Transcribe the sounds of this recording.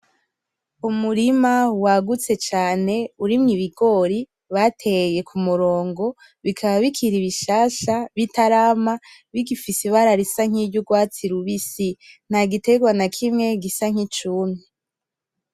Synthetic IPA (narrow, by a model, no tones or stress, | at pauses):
umuɾimawaɡut͡se̞t͡ʃaːne̞uɾimŋiβiɡo̞ɾi | βatʰe̞je̞kʰumuɾo̞ːŋɡo̞ | βikʰaβaβikʰiɾiβiʃaːʃaβitaɾaːma | βiɡifisiβaɾaɾisaŋ̥iɟuɡwaːt͡siɾuβisin̥haɡite̞ɡwanakʰimŋe̞ɡisaŋ̥it͡ʃuːnu